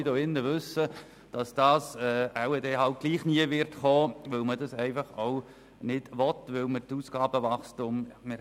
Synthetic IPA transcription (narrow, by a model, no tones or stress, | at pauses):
doɪnːəʋʏsə | d̥ɑsd̥ɑːsɛːæwɛdeːɦɑlt̚ɡ̥liːχniəʋɪrtχɔːʋɵlmədɑsɛɪfɑχow | nɪd̥ʋɔtʋɪlmətuːsɡ̥ɑːbəʋɑχstʊmmɪ